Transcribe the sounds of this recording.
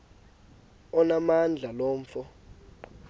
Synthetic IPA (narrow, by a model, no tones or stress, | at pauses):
ɔnamand͡ɮʱaloːɱfɔ